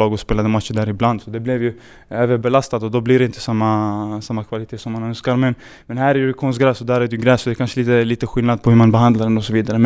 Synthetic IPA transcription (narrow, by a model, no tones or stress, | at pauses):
ɑːɡɔspeːlad̪əmat̪ʂəɖæːɾɪbland̪sɔd̪ɛblɛvjɵ | øːvəɾbɛlast̪ad̪ɔd̪ɔblɪɾɛɪnt̪ə̥samːasamːakʰvalɪt̪ʰeːsɔmːanœnskaɾmɛn | mɛnɦæːɾæjɾɵkʰɔnsɡɾɛːsɔd̪æːɾæɾɛjɵɡɾɛːsɔd̪ɛkʰanʂəliːt̪əliːt̪əɧɪlnad̪̚pʰɔhɵʉɾmanbɛɦand̪laɾɛnɔsɔviːd̪aɾəm